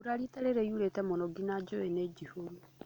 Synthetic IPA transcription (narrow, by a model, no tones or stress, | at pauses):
uɾaɾitaɾeɾeiuɾetɛmonɔɡinad͡ʒoened͡ʒihoɾu